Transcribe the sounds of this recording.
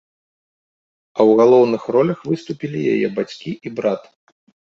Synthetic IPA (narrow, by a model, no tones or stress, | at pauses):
ɐwɣalˠɔwnɨxrɔlʲɐxvɨst̪upʲilʲija̰jɛ̰bat͡sʲkʲiʔibɾat̪